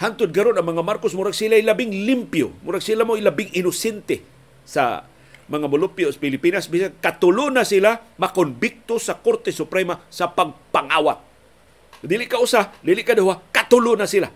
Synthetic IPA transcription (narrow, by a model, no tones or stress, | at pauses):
hant̪ʊd̪̚kaɾʊnaŋmaŋamaɾkosmʊɾaɡsilajlabɪŋlimpjo̰mʊɾaɡsilamʊilabɪŋɪnʊsɛnt̪e | sa̰ | maŋamʊlʊpjosḁpɪlɪpinasbisankat̪ʊlʊnasilamakonbɪk̚t̪ʊsakoɾt̪esʊpɾemasapaɡpaŋawat̪̚ | d̪ilɪʔkaʔʊsad̪ilɪʔkad̪ahwakat̪ʊlʊnasila